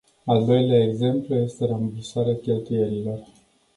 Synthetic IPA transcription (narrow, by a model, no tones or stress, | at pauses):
ald̪o̞jleaeɡze̞mpluje̞st̪e̞ɾamvisaɾeakʲe̞lt̪uje̞ɾilo̞r